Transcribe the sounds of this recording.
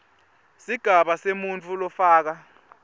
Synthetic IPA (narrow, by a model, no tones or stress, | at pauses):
siɡ̥ʱaɓasemunt͡fʰulɔfaːk̬a